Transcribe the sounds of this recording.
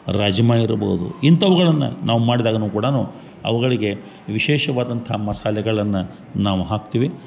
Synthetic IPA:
ɾaːd͡ʒɐmaːjiɾɐbɐ̰ud̪ṵint̪ɐʋɐɣɐɭɐnːɐ̰nʔaːʋumaːɽid̪aːɡɐnuːkuːɽɐnuː | ɐ̰ʋɐɡɐɭiɡe̞ | ʋiʃɛːʃɐʋaːd̪ɐnt̪ʰɐmɐsaːlɛɡɐɭɐnːɐ | naːʋuɦaːk̚t̪iːʋi

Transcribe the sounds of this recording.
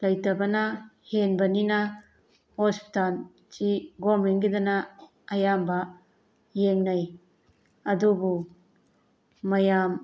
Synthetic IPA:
lɐjtɐbɐnɐhenbɐninɐ | hospi̥tal | t͡ʃiɡomenɡidɐnɐː | jambɐ | jeŋnɐj | ɐdubu | ɐjam

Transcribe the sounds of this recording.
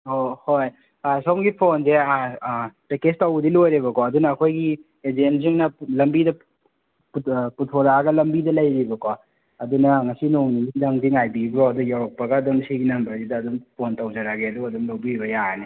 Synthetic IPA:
ohoj | asomɡipʰonzeapekestawɡdilojɾeβɐkoɐdunɐːkʰojɡi | ezenziŋnɐlɐmbidɐ | pputʰoɾaɡɐlɐmbidɐlɐjɾibɐko | ɐdunɐŋɐsinoŋninidɐŋdiŋajbibɾoɐdujawɾɔk̚pɐɡɐːdumsiɡinɐmbɾɐzidɐːdumpʰontɐwd͡ʒaɾaɡeɐduɐdumlɐwbiibɐjane

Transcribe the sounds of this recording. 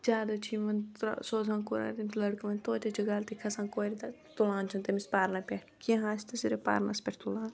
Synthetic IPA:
d͡ʒaːd̪ɐt͡ʃʰiʋɐn̰soːzãːnkuɾa̰ːɾʲt̪ɐmʲit̪ʰlɐɽkɐʋɐnʲt̪oːt͡ʃʲɐt͡ʃʰiɡaːlt̪ikʰɐsãːnkoːɾit̪ɐ | t̪ulaːnt͡ʃʰɐnt̪ɐmispaːɾnɐpʲeːʈkʲĩɦãːsʰt̪ɐsiɾepa̰ːɾnɐ̰spʲɐʈʰt̪ulaːn

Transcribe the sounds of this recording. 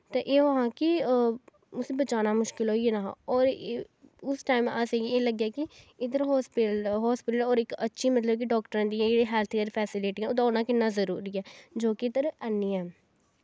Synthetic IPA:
t̪eːʔeːɦɦãːkɪ | ʊsẽːbət͡ʃaːnaːmʊʃkɪlɦoːienaːɔːɾ | ʊsʈaːɪmaːseːɡieːləɡjaːkɪɪd̪əɾɦɔːsplɦɔːspɪʈəlɔːɾɪkətːʃʰiːmət̪ləbk̬ɪɖɔːkʈəɾãːd̪iɛ̃d͡ʒeːɽiːɦɛːlt̪ʰkeɾpʰɛːsɪleːʈːɛoːd̪ãːʊnãːkɪnːaːzəɾṵːɾiːɛːd͡ʒoːkid̪əɾənːiːɛː

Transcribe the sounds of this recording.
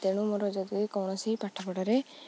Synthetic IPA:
t̪eɽ̃umɔɾɔd͡ʒɔd̪uekɔwɽ̃ɔsipaʈʰapɔɽaɾe

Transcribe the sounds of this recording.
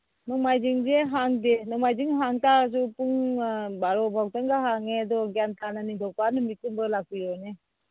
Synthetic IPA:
nɔŋmajd͡ʒiŋd͡ʒeɦaŋdenɔŋmajd͡ʒiŋɦaŋtazupuŋbaɾɔbʱawtaŋɡaɦaŋedɔɡjantʰananid̪ʱɔwpanɯmikumbəlak̚ujɔne

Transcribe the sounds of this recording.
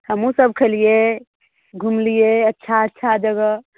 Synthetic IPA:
həmũsəb̚kʰəlije | ɡʱumlijeətːʃʰaətːʃʰad͡ʒəɡə

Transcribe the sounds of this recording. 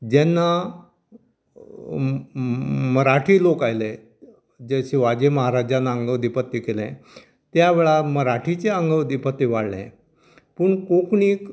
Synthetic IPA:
d͡ʑɛnːa | məɾaʈʰiːlokajlẽ | d͡ʑeɕeʋad͡ʑeməɦaɾad͡ʑanːaəŋɡəʋd̪ipət̪ːikelɛ̰̃ | t̪jaʋeɭaməɾaʈʰit͡ɕeəŋɡəʋd̪ipət̪ːiʋaɽlɛ̰̃ | pəɳkokɳiːk

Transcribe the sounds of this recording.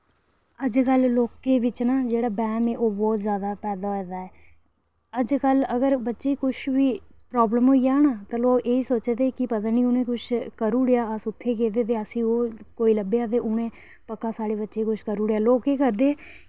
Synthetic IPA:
əd͡ʒkəlloːkeːʋɪt͡ʃnaːd͡ʒeːɽaːbɛ̃ːmeːʔoːbɔːt̪zjaːd̪aːpɛːd̪aːɛːd̪aːɛː | əd͡ʒkələɡəɾbətːʃeːiːkʊʃʰʋiːpɾaːbləmɦoːiːjaːnaːt̪ãːloːkeːiːsoːt͡ʃd̪eːkɪpət̪aːnĩːʊnẽːkʊt͡ʃʰkəɾuːɽejaːəsʊt̪ʰːeːk̬eːd̪eːt̪̬eːəsĩːoːkoːiːləbeaːt̪̬eːʔʊnẽː | pəkːaːsaːɽeːbətːʃeːkʊt͡ʃʰkəɾuːɽejaːloːkeːkəɾd̪eː

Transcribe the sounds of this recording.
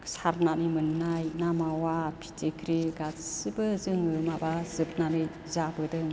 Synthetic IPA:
ksaɾnanimɯnːajnamawapʰi̥tekʰɾiɡasɯbəzɯŋɯmabazɯp̚nanɯj | zabɯdɯŋ

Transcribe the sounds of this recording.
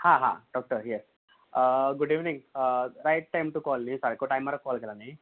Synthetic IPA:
haːɦa̰ːɖɔːk̚ʈəɾjɛs | ɡʊɖiːʋnĩŋɡɾajʈ̚ʈajmʈukɔːlnisaɾikoʈajmːaːɾɐkɔːlɡɛlane

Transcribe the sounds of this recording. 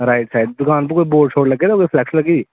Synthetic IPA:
ɾaːɪʈsaːɪɖ̚d̪ʊkaːnpɐɾkoːiboːɖt͡ʃʰoːɽlɐɡed̪koifʰlɛkslɐɡid̪iː

